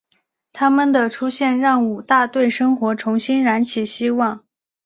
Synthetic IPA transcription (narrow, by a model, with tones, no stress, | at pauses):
t̪ʰa˥mə˨nd̪ə˩ʈ͡ʂʰu˥ɕjɛ˥˧nɻɑ˥˩ŋu˨˩t̪a˥˧t̪we˥˩ɪʂɤ˥ŋxwɔ˧˥ʈ͡ʂʰʊ˧˥ŋɕi˥nɻa˧˥nt͡ɕʰi˨˩ɕi˥wɑ˥˩ŋ